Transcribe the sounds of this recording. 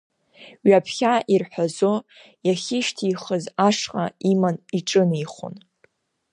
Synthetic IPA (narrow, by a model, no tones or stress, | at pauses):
ɥapʰχʲaʔirħʷᶣazo | jaχʲɪʃtʰiːχəzaʂqʼaimaniʈ͡ʂʼɨniχo̰n